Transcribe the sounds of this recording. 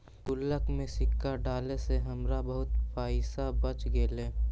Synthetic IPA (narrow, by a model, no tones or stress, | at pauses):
kʊlːəkmẽsɪkːaɖaːleseɦɐmɾabəɦʊt̪paːɪsabət͡ʃɡeːleː